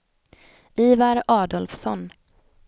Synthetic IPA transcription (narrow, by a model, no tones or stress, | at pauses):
iːvaɾɑːd̪ɔlfsɔn